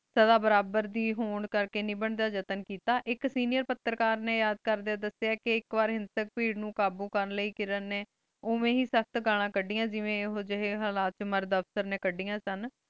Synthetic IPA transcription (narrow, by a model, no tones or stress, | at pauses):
səd̪aːbəɾaːbəɾd̪iːɦoːɳkəɾkeːnĩːbəɳd̪aːd͡ʒət̪ənkiːt̪aːʔɪksiːnɪjəɾpət̪ːəɾkaːɾnẽːjaːd̪̚kəɾd̪eaːd̪əseaːkeɪkʋaːɾɦɪ̃nsək̚piːɽnũːkaːbuːkəɾnləiːkɪɾənːeː | oːmẽːɦiːsək̚ʰt̪ɡaːl̃ãːkəɖiːjãːd͡ʒɪʋẽːɦoːd͡ʒɪɦeːɦəlaːt̪̚t͡ʃməɾd̪əfsəɾneːkəɖːijãːsən